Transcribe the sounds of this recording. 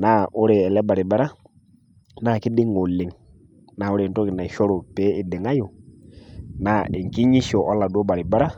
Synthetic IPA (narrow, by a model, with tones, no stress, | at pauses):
na˦˨ʔʊ˦ɾe˨ɛ˨lɛ˦ba˨ɾɪ˨ba˦ɾa˦ | na˦˨kɪ˦dɪ˦ŋɔ˨lɪ˨ŋ | na˨ʊ˦ɾe˨ntɔ˦kɪ˨na˨ʃɔ˦ɾo˨pɛ˦ɪ˨dɪ˨ŋa˦jo˨ | na˨ɪ˨ŋki˦ɲi˦ʃɔ˨ʔɔ˦la˨du˦ɔ˦ba˨ɾɪ˨ba˦ɾa˦